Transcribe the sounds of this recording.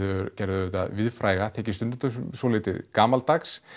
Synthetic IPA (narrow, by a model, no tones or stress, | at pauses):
ɾcɛɾðʏʏt̪a̰ðvɪðfɾaːjɣat̪ʰɛːcɪst̪ʏnʏnt̪ʏsowlɪːt̪ɪðkaːmalt̪aks